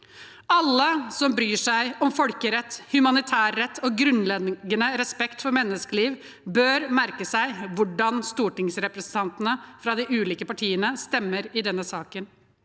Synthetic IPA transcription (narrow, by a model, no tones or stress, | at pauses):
ɑlːəsɔmbɾyːʂæɪɔmfɔlkəɾɛt̪ːhʉmɑnɪt̪ʰæːɾːɛt̪ʰːɔːɡɾʉnlɛɡənəɾɛspɛkt̪fɔɾmɛnːəskəliːʋ | bøːɾmæɾkəsæɪʋʊɖɑnst̪uːʈɪŋsɾɛpɾɛsən̩t̪ʰɑnt̪ənəfɾɑd̪ɪʔʉːliːkəpɑʈʰiːənəst̪ɛmːəɾɪd̪ɛnːəsɑːkən